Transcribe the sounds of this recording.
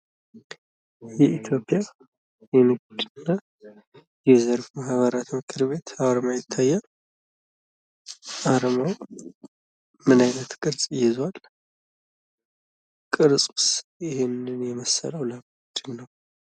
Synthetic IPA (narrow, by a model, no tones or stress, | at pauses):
jɛʔit̪ʰjo̞pʼja | jɛnɨɡ̚d̪ɨɨnːa | jɛzəɾfmahβəɾat̪mɨkʰɨɾβe̞t̪ʰaɾmajɪt̪ʰːajːa | ʔaɾmaw | mɨnajnət̪kʼɨɾsʼɪjːɪzwal | kʼɨɾsʼu̥sɪhenɨnjɛməsə̰ləwləm | d̪ɨnnəw